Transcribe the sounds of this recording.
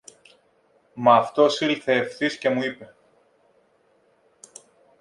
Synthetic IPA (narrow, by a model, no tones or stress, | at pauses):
mɐːft̪o̞silθe̞ːfθisce̞muipe̞